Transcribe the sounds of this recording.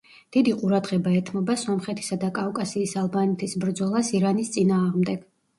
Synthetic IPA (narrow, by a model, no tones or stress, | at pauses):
d̪̥id̪iqʼuɾad̪ʁɛbaɛt̪ʰmɔbasɔmχɛt̪ʰi̥sad̪akʼakʼasiːsalˠbanɛt̪ʰisbɾd̪zɔlˠasiɾanist̪sʼinaːʁmd̪ɛɡ̥